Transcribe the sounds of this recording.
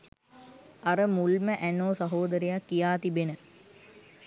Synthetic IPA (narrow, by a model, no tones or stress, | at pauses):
ɐɾəmulməʔænoːsɐɦoːd̪əɾejakːijaːt̪ibenə